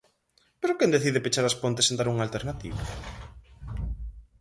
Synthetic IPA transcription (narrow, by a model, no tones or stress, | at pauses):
peɾokɛnd̪eθiðepet͡ʃaɾaspont̪esend̪aɾuŋalt̪eɾnat̪ḭβa